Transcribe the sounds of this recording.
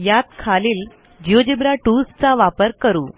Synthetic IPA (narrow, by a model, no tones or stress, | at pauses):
jat̪̚kʰaliːl | d͡ʑiod͡ʑibɾaʈust͡saʋapəɾkəɾuː